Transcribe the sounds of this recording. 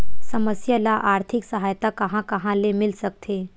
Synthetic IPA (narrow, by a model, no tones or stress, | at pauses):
sɐməsjalaʔaːɾt̪ʰɪksɐɦaːjt̪akɐɦãkɐɦãlemɪlsɐk̚t̪ʰeː